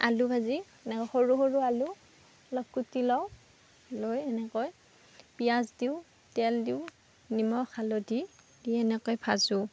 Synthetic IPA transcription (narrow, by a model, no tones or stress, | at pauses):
a̰lubʱazi | ɛnɛkɔjxoɹuxoɹualu | lɔkːutilɔw | lojɛnɛkɔj | pijazdiw | tɛldiw | nimɔxʰalɔdi | diɛnɛkɔjpʰazʊ